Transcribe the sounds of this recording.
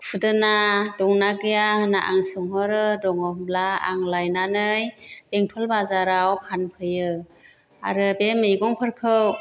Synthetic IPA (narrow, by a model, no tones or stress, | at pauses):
pʰɯdɯnadɔŋnaɡɯjahɯnaʔa̰ŋsɯŋɦɯɾɯdɔŋɔmlaa̰ŋlajnanɯjb̥eŋtʰɔlbazaɾawkʰanpʰɯjɯ | a̰ɾɯbemejɡɔŋpʰɯɾkʰɯw